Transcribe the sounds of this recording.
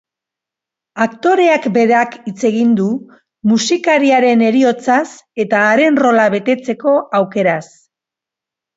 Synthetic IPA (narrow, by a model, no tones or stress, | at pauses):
akt̪o̞ɾe̞akbe̞ðeakit͡se̞ɣind̪u | musikaɾiaɾe̞ne̞ɾio̞t͡sase̞t̪aːɾe̞nro̞laβe̞t̪e̞t͡se̞ko̞ʔawke̞ɾas